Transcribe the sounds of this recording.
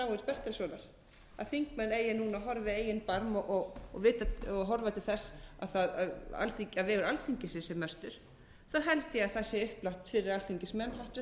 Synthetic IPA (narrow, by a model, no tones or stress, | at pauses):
aɣɪspɛht̪aɾɪsvɔːnaɾ̥ | a̰ðθiŋkmɛnːeːjɪnuːnaɦɔɾvɪeːjɪnpaɾmɔʔɔvɪːt̪aɔɦɔɾvat̪ʰɪlθɛsːa̰ðθaða̰ða̰lθicavɛːɣʏɾalθiɲcɪsɪsɛmːœst̪ʏɾ̥ | θaɦɛlt̪jɛɣaðθaðsjɛʏhplaht̪fɪɾɪɾalθiɲcɪsmɛnːɦawht̪vɪ